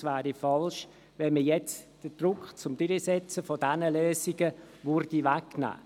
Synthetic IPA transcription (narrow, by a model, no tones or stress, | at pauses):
sʋæːɾifɑlʃ | ʋɛnməjɛt͡sd̥əd̥rʊkχt͡sʊmdʏɾisɛt͡səfɔdænəløːsiɡə | ʋʊɾd̥iʋækːnæ̰ː